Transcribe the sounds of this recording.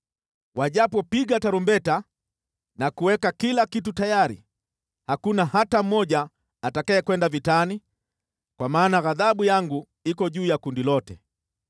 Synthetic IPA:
waʄapɔpiɠataɾumbɛta | nakuwɛkakilakitutajaɾḭ | hakunahatam̩mɔʄaː | takaɛkwɛndavitani | kwamaːnaɣaðaɓujaŋɡu | ikɔʄuːjakundilɔtɛ̰

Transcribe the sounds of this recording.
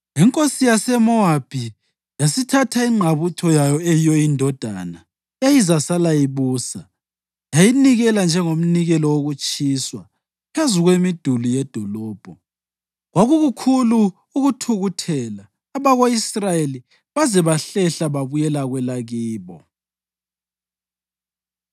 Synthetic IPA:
iŋkʼosijasɛmɔab̥ʱi | jasitʰatʰaiŋ͡ǃʱaβutʰɔjajɔɛjɔjindʱɔd̥ʱa̰na | ejizasalajiβuːsa | jajiniɣɛland͡ʒʱɛŋom̩niɣɛlɔwoɣut͡ʃʼiːswa | pʰezuɣwemid̥ʱulujɛd̥ʱɔlɔːb̥ʱɔ | ɣwaɣuɣukʰuluː | ɣutʰuɣutʰɛlaː | βaɣoisrajeli | βazɛβaɬɛɬaβaβujɛlaɣwɛlaɣiːβɔ

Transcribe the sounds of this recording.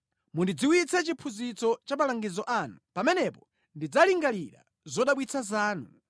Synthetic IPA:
mundid͡ziwit͡sɛt͡ʃipʰuzit͡sɔt͡ʃamalaŋɡizɔʔanupamɛnɛpɔ | ndid͡zaliŋɡaliɾa̰ | zɔɗaɓwit͡sʰazaːnu

